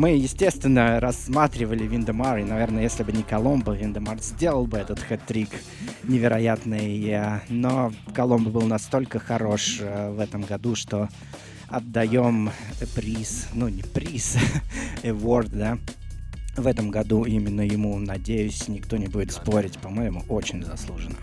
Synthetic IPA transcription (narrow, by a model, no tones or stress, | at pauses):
mɨjɪsʲtʲe̞st̪vʲɪnːəɾɐsmat̪ɾʲɪvəlʲɪvʲind̪əmaɾɪnɐvʲe̞rnəjesʲlʲɪbɨnʲɪkɐlˠo̞mbəvʲɪnd̪ɨmarzʲdʲe̞lˠəlˠbɨɛt̪ət̪xɛt̪ːɾʲik | nʲɪvʲɪɾɐjat̪nɨjanokɐlˠo̞mbəbɨlˠnɐst̪o̞lʲkəxɐɾo̞ʂvɛt̪əmɡɐd̪uʂt̪o̞ | ɐd̪ːɐjomt̪əpɾʲisnunʲɪpɾʲis | ɛvort̪d̪a | vɛt̪əmɡɐd̪uimʲɪnːəjɪmunɐdʲejʉsʲnʲɪkt̪o̞nʲɪbudʲɪt̪spo̞ɾʲɪtʲpɐmojɪmuʔot͡ɕɪnʲzɐslˠuʐɨnə